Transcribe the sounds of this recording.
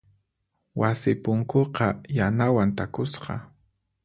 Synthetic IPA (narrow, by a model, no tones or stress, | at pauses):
wasɪpʊŋkoqɑjanawant̪akʊsqɑ̰